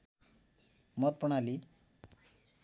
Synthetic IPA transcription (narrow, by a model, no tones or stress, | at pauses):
mɔt̪̚pɔɽ̃ali